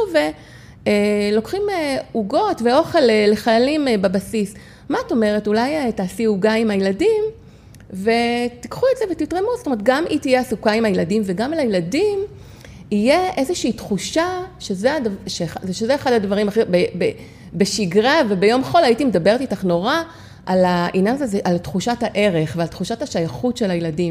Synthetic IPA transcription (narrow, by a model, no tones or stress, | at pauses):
ve | elo̞kχimeuɡo̞tveo̞χe̞leːeχajalimbabasis | maato̞me̞ʁetulajetaːsiuɡaimajeladim | ve̞tikχuetzevetitʁemuzo̥tomet̪̚ɡamʔitijeasukaimhajeladimve̞ɡamalajeladim | ijeʔezeʃiːtχuʃaʃezeadvʃeaʃezeeχadadvaʁimaχebebe | beʃiɡʁave̞bejo̞mχo̞laitimedabe̞ʁt̪itaχno̞ʁa | ʔalaʔinjanzazeʔaltχuʃataʔe̞ʁe̞χvealt̪χuʃathaʃajaχutʃe̞lajladim